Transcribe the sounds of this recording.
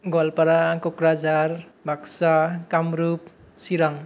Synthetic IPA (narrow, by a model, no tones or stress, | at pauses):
ɡɔlpaɾakokɾad͡ʒaɾbʱaksakamɾup̚ | siɾaŋ